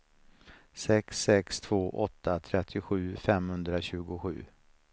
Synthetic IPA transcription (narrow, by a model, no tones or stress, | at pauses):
sɛksɛkst̪ʰv̥oːʔɔt̪ʰːat̪ʰɾɛt̪ʰːɪɧʉ̟ːfɛmhɵnd̪ɾaɕʉ̟ːɡʊɧʉ̟ː